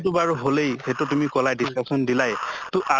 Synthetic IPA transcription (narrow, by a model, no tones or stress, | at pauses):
tubaɹuɦolejhetʊtumikɔlajdiskasɔndilajtʊʔa